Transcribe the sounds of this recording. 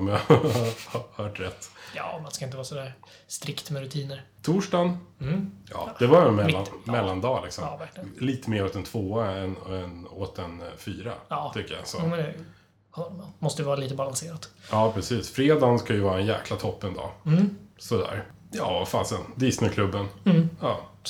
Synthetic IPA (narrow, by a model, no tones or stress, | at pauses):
ɔmja | hhœːʈɾɛt̪ːjɑːmanskaɪnt̪əvɑːsɔd̪æːɾ | st̪ɾɪkt̪mɛɾɵt̪ʰiːnəɾ | t̪ʰuːʂɖɑn | jɑ̰ːd̪ɛvajɛnmɛlːanmɛlːand̪ɑːlɪksɔmkliːt̪əmeːɾɔt̪̚d̪ɛnt̪ʰvoːaɛnɛnoːt̪̚d̪ɛnfyːɾa̰ːt̪ʰʏkːəja̰sɔmɛɛ | hɔamɔst̪əɾɛvɑːɾaliːt̪əbalanseːɾat̪jɑːpʰɾɛsiːsfɾeːd̪ɑnskajɵvɑːɾaɛnjæ̰ːklat̪ʰɔpːɛnd̪ɑ̰ː | sɔd̪æ̰ːɾ | jɑːafaːsənd̪ɪsnʏkʰlɵbːənjɑː